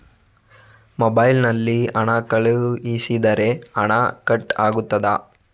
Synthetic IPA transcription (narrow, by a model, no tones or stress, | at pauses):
mobɐjlnɐlːiɐɳɐkɐɭuisid̪ɐɾe̞ɐɳɐkɐʈːa̰ːɡut̪ːɐd̪ɐ